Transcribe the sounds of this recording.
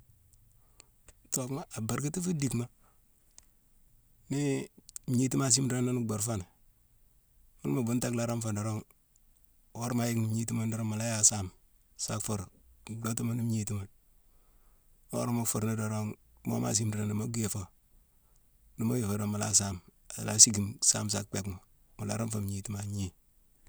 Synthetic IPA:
to˨kma˦a˨ba˨ɾɡi˦ti˦fu˦di˨kma˦ | ni˦m˨ɲi˦ti˦ma˦˨s̬i˦mdɾa˦no˦n˨ɡ͡bo˨ɾfa˦n˨ | mu˦n˦ma˨bu˦n˦ta˦kla˨ɾo˦mfo˨do˨ɾo˦ŋ˨ | wo˦ɾma˨ji˦kni˨m˨ɲi˦ti˦ma˦ndo˨ɾo˦ŋma˨la˦ja˨sa˦m | sa̰˦kfo˨ɾɡo˦tu˦ma˦ni˦m˦ɲi˦ti˦ma˨n˦ | o̰˦ɾmo˦kfo˨ɾni˦do˨ɾo˦ŋ˦ | mo̰˦ma̰˨s̬i˦mdɾa˦ni˨mo˦ɡe˨fo˨ | ni˨mo˦ji˨fo˨do˨ma˨la̰ː˦s̬a˦˨ma˨la˦si˦ɡi˨msa̰ː˦ms̬a̰˦k̚k͡pe˨kma˨ | mu˨la̰˨ɾo˦mfo˨m˨ɲi˨ti˦ma˨ɲi˦

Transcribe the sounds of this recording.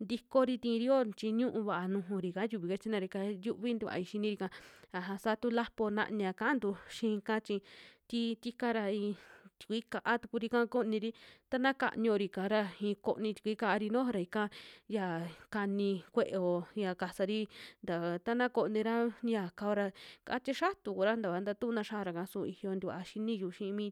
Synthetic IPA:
nd̪i˧ko˦ɾi˧t̪ĩ˧ɾi˦o˦t͡ʃi˧ɲũ˦ʔũ˧βa˨ʔa˧nũ˧ɦũ˧ɾi˨kã˨˦ju˧βi˧˨ke˧t͡ʃi˦nã˧ɾi˧ka˧ju˦βi˦nd̪u˧βa̰˨˧i˧ʃi˧nĩ˧ɾi˧kã˧a˨ɦa˧saː˦t̪u˦la˦po˧nã̰˧ʔɲ˧ã˧kã˦nd̪u˧ʃĩ˧kã˦t͡ʃĩ˧t̪i˦t̪i˦ka˦ɾa˧i˧t̪i̥˨kʷi˦ka˧ʔa˦t̪u˧ku˧ɾi˧kã˦˧ko˦˧nĩ˧ɾi˦t̪a˦nã˦ka̰˧ʔɲõ˧ɾi˧˨kã˨˧ɾa˧ĩ˧ko˧nĩ˧t̪i̥˧kʷi˦ka˧ʔa˧ɾi˧nõ˦˧ɾa˧˨i˧kã˦ja˧˨ka˧nĩ˧kʷe˦˧ʔe˧o˧ja˧ka˧sa˧ɾi˦nd̪a˨t̪a˦nã˦ko˧ʔnĩ˧ɾa˦ja˨ka˧o˧ɾa˧ka̰˧˦t͡ʃe˦ʃa˦t̪u˨ku˧ɾa˦nd̪a˨a˨˧nd̪a˧t̪u˦˧nã˧ʃa˦˧ɾa˧˨kã˧sũ˧i˧hjo˧nd̪u˧a˧ʃi˦nĩ˦˧juː˧˨ʃĩ˧mĩː˦

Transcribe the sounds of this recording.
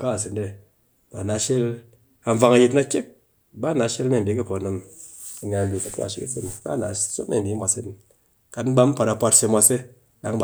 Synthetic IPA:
ka˦˨s̬i˨nde˧˨ | ba˨na˨˧ʃe˦l | a˧ɱ˨va˧ŋa˧ji˧tna˧kʲe˦k̚ | ba˦na˨˧ʃe˦lne˦˨bi˨˦ki˦po˨nɨ˨mi˨ɲʲa˧˨bʲi˨ka˨ta̰˨ʃḭ˦ki˦si˦n˨ba̰˦na˨˦so˦ne˦˨n˨di˨˦mʷa˨se˦n˨ | ka˨tn̩˦ba˦m̩˦pʷa˧ta˧pa˧tse˧mʷa˧se˦ | da˨˦ŋ˦b

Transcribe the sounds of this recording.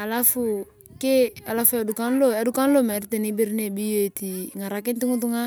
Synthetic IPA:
a˨la˦fu˨ | ke˦a˨la˦fu˦ɛ˨du˨ka˦n˦lo˦ɛ˨˦du˦ka˦n˦lo˦˨mɛ˨ɾi˦te˨ni˦bi˦ɾine˨bi˦jo˦e˨ti˨ŋa˨ɾa˨ki˦n˦ti˦ŋu˦t̬u˦ŋa˦

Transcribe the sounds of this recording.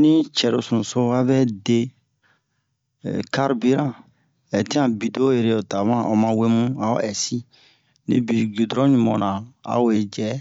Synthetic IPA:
nĩ˦t͡ʃɛ˨ɾo˨sũ˨so˦a˦bɛ˦de˦˨ | ka˦ɾbi˦ɾã˦˨ | ɛ˨tĩ˦ã˨bi˨do˦e˨ɾe˨o˨ta˨mã˦˨ʔo˨mã˧we˦mũ˦a˨o̰˦ɛ˨si˦ | nḭ̃˦bi˨ɡu˨dɾɔ̃˦ɲũ˨mɔ̃˨nã˨a̰˨we˨d͡ʒɛ˦

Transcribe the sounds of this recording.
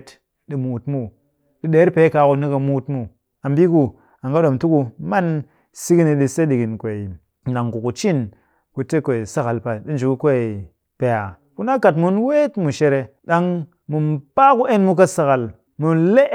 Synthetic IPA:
t | ɗi˨mu˨tmu˦ | ɗi˦ɗeː˨˦ɾpe˨˦ka˨˦ku˧ni˦ka˨mu˦tmu˦ | a˨mbi˦ku˨ | a˨ŋɡa˦ɗo˨mtu˦ku˨ma˦n | si˦ki˦ni˧ɗi˧se˦ɗi˨ki˨nkʷe˨i˨ | ɗa˨ŋku˨ku˨t͡ʃi˦n | ku˨te˦ke˨i˨sa˨ka˨lpa˨ɗi˦n˨d͡ʒu˨ku˦kʷe˦i˨ | pe˨ja˨ | ku˦na˦ka˨tmu˦nwe˦tmu˨ʃe˦˧ɾe˨ɗa˦ŋ | mu˨mpa˦ku˦e˦nmu˦ka˦sa˨ka˨l | mu˨nle˦

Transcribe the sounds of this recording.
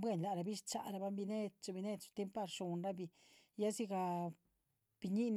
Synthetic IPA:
bwe˦˨nla˨ɾa˨bi˦ʂt͡ʃa̰˨ɾa˧ba˦mbi˧ne˦t̪̚t͡ʃa˧bi˧ne˦d̪t͡ʃo̥˧t̪e˦mpa˧ɾʂo˨nɾa˦bi˧˨ | ja˦zi˦ɡa˧ | b̥i˨ɲi˦n

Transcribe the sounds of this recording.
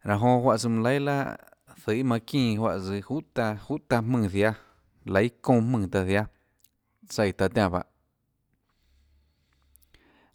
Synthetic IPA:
ɾã˨ɦõ˧ɦwa˧ʔsɨ˧mɨ̃˧le˦la̰˦ | θɨ˨i˦mã˧kĩː˧˨hwa̰˧ʔt͡sɨ˧hu˦t̪a˧hu˦ʔt̪a˧m̥mɨ̃ː˧˨ðja˦ | lə˧˦jkõː˦˧hmɨ̃ː˧˨t̪a˧ðja˦ | sə˧˨jt̪a˧t̪jã˧ba̰˧ʔ

